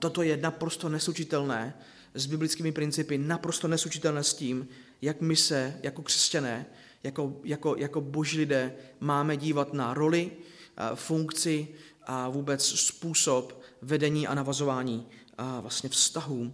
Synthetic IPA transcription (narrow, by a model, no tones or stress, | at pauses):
t̪o̞t̪o̞jɛnapɾo̞st̪o̞nɛsut͡ʃɪt̪ɛlnɛː | zbɪblɪt͡skiːmɪpɾɪnt͡sɪpɪnapɾo̞st̪onɛsut͡ʃɪt̪ɛlnɛːsciːm | jakmɪsɛjʔako̞kr̥ɛ̥scanɛː | jako̞jakojako̞bo̞ʒiːlɪdɛːmaːmɛɟiːvat̪naɾo̞lɪ | fuŋkt͡sɪ | ʔavuːbɛt͡sspuːso̞pvɛdɛɲiːʔa̰navazo̞vaːɲiː | vlast̪ɲɛfst̪aɦuː